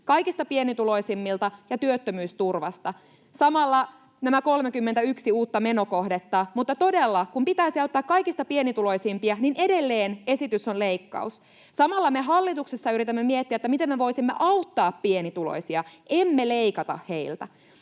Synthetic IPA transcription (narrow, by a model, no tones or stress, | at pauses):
kɑjkist̪ɑpienit̪ulo̞isimːilt̪ɑjɑt̪yøt̪ːømyːst̪urʋɑst̪ɑ | sɑmɑlːɑ | næmæko̞lmekymːent̪æyksiuːt̪ːɑme̞no̞ko̞hdet̪ːɑmut̪ːɑt̪o̞delːɑkumpit̪æisiɑut̪ːɑːkkɑjkist̪ɑpienit̪ulo̞isimpiɑnine̞de̞lːeːne̞sit̪ysonle̞ikːɑ̰us | sɑmɑlːɑmeɦɑlːit̪uksesːɑyɾit̪æmːemiet̪ːiæet̪ːæmit̪emːmeʋo̞isimːḛʔɑut̪ːɑːppienit̪ulo̰isiɑe̞mːeleikɑt̪ɑ̰hhe̞ilt̪æ̰